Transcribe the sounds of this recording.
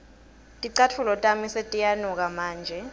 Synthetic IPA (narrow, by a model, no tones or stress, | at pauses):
tʼiǀatʰulɔtʼamisetʼijanɔk̬amaːnd͡ʒʱɛ